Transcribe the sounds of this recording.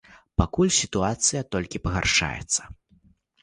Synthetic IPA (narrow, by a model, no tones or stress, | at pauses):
pakulʲsʲit̪uat̪sɨjɐt̪ɔlʲkʲipɐɣa̰rʂa̰jɛ̰t̪sːɐ̥